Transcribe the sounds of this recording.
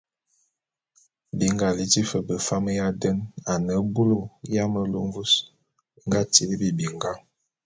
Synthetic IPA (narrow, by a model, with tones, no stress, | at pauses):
bi˨ŋɡa˨li˨ti˦fə˨bə˨fa˦mə˦ja˦də˦na˨nə˨˦bu˦lo˦˨ja˦mə˦lo˦ɱ˦vu˦s | ŋ˦ɡa˦ti˨li˦bi˦˨bi˨ŋɡa˦